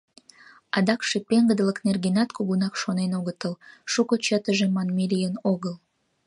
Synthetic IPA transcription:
ɑd̪ɑkʃepeŋɡəd̪ələknerɡenɑt̪kuɣunɑkʃonenoɣət̪əlʃukot͡ɕət̪əʒemɑnmiɾʲijənoɣəl

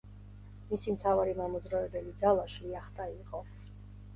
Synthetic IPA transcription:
misimt̪ʰavaɾimamɔd̪zɾaɛbɛlid̪zalˠaʃliaχt̪ʼaiqʼɔ

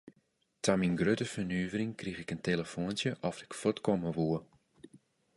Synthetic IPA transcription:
tʰaminɡrøtəfənyːvərɪŋkrixɪkənteləfoəntjəʔɔfɪkfotkoməʋuə

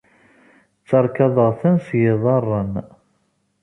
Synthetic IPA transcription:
t͡sːɑɾˤkɑðˤəʁθænsjɪðˤɑrˤːən

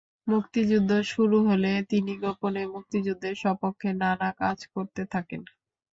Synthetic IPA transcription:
mukt̪id͡ʑud̪ʱːoʃuɾuɦolet̪iniɡoponemuk̚t̪id͡ʑud̪ʱːeɾʃɔpokʰːenanakad͡ʑkoɾt̪et̪ʰaken

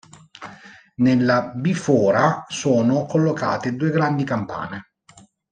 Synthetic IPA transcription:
nelːabifɔːɾasoːnokolːoka̰ːt̪ed̪uːeɡɾand̪ikampa̰ːne

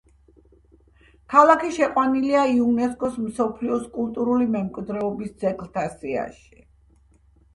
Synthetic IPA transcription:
kʰalˠakʰiʃɛqʼwaniliaiunɛskʼɔsmsɔpʰliɔskʼulˠt̪ʼuɾulimɛmkʼwid̪ɾɛɔbisd̪z̥ɛɡlˠt̪ʰasia̰ʃi̥

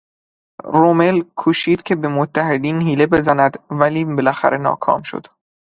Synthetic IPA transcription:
romelkʰuːʃiːd̪̥cʲʰe̞be̞mot̪ʰːæhe̞d̪iːnhiːle̞be̞zænæd̪væliːbe̞læxæ̰ɾenɒ̰ːkʰɒ̰ːmʃo̰d̪̥

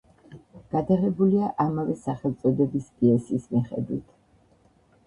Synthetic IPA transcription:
ɡ̥ad̪aʁɛbuliaʔamavɛsaχɛlˠt̪sʼɔd̪ɛbispʼiɛsiːsmiχɛ̰d̪wit̪ʰ

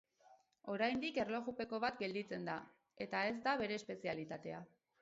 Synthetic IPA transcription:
o̞ɾajnd̪ike̞rlo̞ɣupe̞ko̞β̞at̪ɡe̞ld̪it͡se̞nd̪a | e̞t̪ae̞zd̪aβe̞ɾe̞ːspe̞sialit̪at̪e̞a

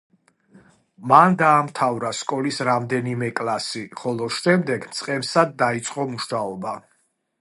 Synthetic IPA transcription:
mand̪aːmt̪ʰavɾaskʼɔlisɾamd̪ɛnimɛkʼlˠasiχɔlˠɔʃɛmd̪ɛɡmt̪sʼqʼɛmsad̪ːait̪sʼqʼɔmuʃnaɔba

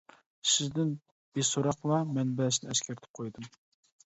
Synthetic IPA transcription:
sɪzd̪ɪn | b̥esoɾɑqlˠɑmɛnbɛlʃnɪɛsʃkʲʰæɾɪt̪ʰɪ̥p̚qʰojd̪ɨm

